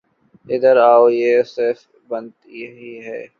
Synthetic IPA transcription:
ɪd̪əɾaːojeːsɪɾf | bɐnt̪iɦiɦɛː

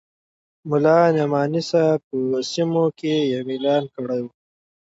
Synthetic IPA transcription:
mʊlɑːnamɑːnisapəsimokejamilɑːnkəɽaju

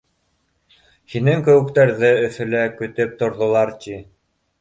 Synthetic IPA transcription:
hinɘŋkɵ̆wɘ̆kt̪æɾðɘɵ̆θɵ̆lækɵ̆t̪ɘp̚t̪ŏɾðŏlˠɑɾt̪ʲi

